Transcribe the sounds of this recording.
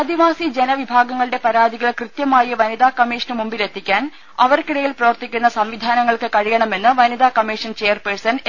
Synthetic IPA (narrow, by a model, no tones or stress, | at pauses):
ɐd̪iʋaːsid͡ʑe̞nɐʋibʱaːɡɐŋːɐɭɨɽe̞pɐɾaːd̪ʱiɣɐɭkrɨt̪jɐmaːjɐʋɐnid̪aːkɐmiːʂɐnɨmumbile̞t̪ːikʲːaːn | ɐʋɐrkiɽɐjilprɐʋɐrt̪ikʲːunːɐsɐmʋid̪ʱaːnɐŋːɐɭkɨkɐɻijɐɳɐme̞nːɨʋɐnid̪aːkɐmiːʂɐnt͡ɕeːjɐrpersɐn